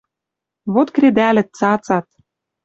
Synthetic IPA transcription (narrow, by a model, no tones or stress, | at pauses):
βot̪kɾed̪ælɘ̆t̪̚t͡sɑt͡sɑt̪̚